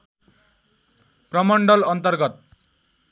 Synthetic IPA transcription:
prʌmʌɳɖʌlʌnt̪ʌrɡʌt̪̚

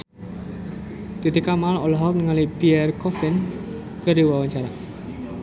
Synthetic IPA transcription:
t̪it̪ikamalɔlɔɦɔk̚nəŋalipiɛrkɔfɪn | kəɾiwawaɲt͡ʃaɾa

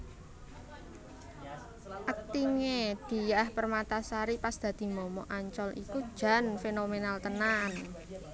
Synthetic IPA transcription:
ʔak̚t̪iŋed̪̥i̤jahpərmat̪asaɾipasd̪̥ä̤d̪̥i̤mɔmɔʔaɲt͡ʃɔlʔḭkud̥ʒ̥a̤nfenomenalt̪ənan

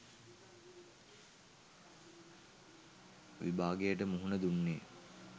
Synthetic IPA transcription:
ʋibaːɡejəʈ̬əmuɦunəd̪unːeː

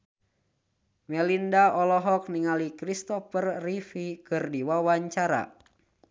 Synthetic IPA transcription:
mɛlindaɔlɔɦɔk̚niŋalikɾist̪ɔfərːifikɨrdiwawaɲt͡ʃaɾa̰

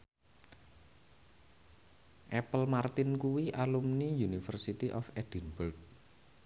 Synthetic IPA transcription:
ʔɛpəlmart̪ɪnkuwiʔalumnijunifərsit̪iʔɔfɛd̪̥inbʊrɡ̚

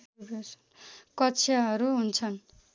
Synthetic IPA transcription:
besʌ̥nkʌt͡sʰijaɦʌɾuɦunt͡sʰʌn

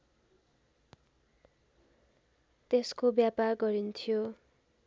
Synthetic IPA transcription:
t̪eskobjaparɡʌɾint̪ʰijo

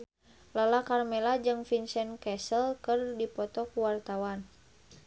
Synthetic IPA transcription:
lalakarmɛlad͡ʒɨŋfinsɛnkɛsəlkɨrdipɔt̪ɔkuwart̪awan

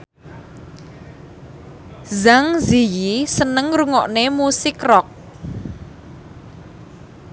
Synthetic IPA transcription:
zaŋzijisənəŋɾuŋɔʔnemusɪkrɔk̚

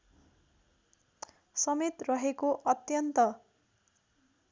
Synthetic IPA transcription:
sʌmet̪rʌɦekoʔʌt̪jʌnt̪ʌ

